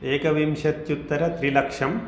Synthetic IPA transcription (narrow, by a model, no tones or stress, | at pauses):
eːkɐʋimʃɐt̪jut̪ːɐɾɐt̪ɾilɐkʂɐm